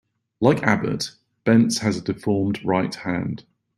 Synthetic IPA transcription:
laɪkʰa̰bə̰ʔ | b̥ɛ̃ntshəzədɪfɔːmdɹaɪʔhã̰nd̥

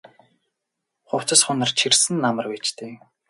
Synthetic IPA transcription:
χʊw̥t͡sə̆sχʊnə̆rt͡ɕʰirsɘ̆nːamə̆rweːt͡ɕt̪eː

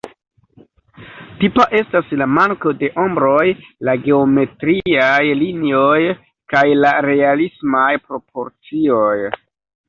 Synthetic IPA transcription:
tipaʔe̞staslamaŋko̞de̞ʔo̞mbɾo̞jlaɡe̞ome̞tɾiajlinio̞j | kajlaɾe̞alismajpɾo̞pʰo̞ɾt͡sio̞j

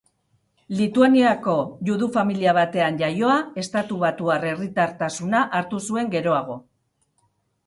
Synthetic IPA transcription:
lit̪uaniako̞ʝuðufamiliaβ̞at̪e̞anʝajo̞ae̞st̪at̪uβ̞at̪uare̞rit̪aɾt̪asunaʔaɾt̪usue̞ŋɡe̞ɾo̞aɣ̞o̞

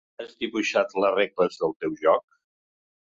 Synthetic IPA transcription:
azd̪iβuʃat̪lərekləzðəlˠt̪ewʒɔk̚

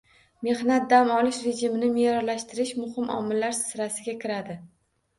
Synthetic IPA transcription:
me̞hnat̪̚d̪amɒlɪʃɾe̞d͡ʒɪmɪnɪmejɾɒɾlaʃt̪ɪɾɪʃmʊhɪmɒ̰mɪlːaɾsɪɾasɪɡʲakʲɪɾad̪ɪ

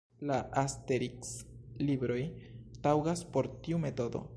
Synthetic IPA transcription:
laʔasteɾikslibɾo̞jtawɡaspo̞ɾtiume̞to̞do̞̰

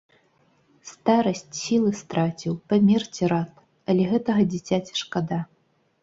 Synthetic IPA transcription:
st̪aɾɐsʲt͡sʲsʲilˠɨst̪ɾat͡sʲiwpamʲɛrt͡sʲiɾat̪̚ | ɐlʲɛɣɛt̪ɐɣɐd͡zʲit͡sʲat͡sʲi̥ʂkad̪a

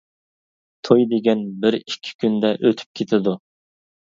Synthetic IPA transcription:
t̪ʰojd̪eɡʲɛnbɪɾikʲʰːɪ̥kʲʰynd̪ɛʔøt̪ʰy̥p̚kʲʰet̪ʰɪd̪u

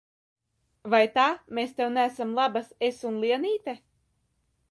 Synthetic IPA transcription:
vajt̪aːmeːst̪ɛwnæsamlˠabasesunlˠiɛniːt̪ʲɛ

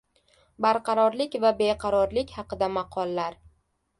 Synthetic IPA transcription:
baɾqʰɑɾɒɾlɪkʲvabe̞qʰɑɾɒɾlɪkʲhɑqɨd̪amɑqʰɒlˠːaɾ

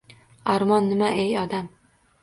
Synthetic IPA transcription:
aɾmɒnːɪmaʔejɒd̪am

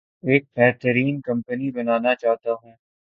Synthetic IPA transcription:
eːk̚bɛːɾt̪əɾiːnkɐ̃mpənibɐnaːnat͡ʃaːɦt̪aɦũː

